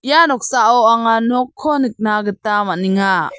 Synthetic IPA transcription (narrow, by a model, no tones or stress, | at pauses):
janɔk̚saʔɔaŋanɔkʰːɔnɯk̚naɡɯtamaʔniŋa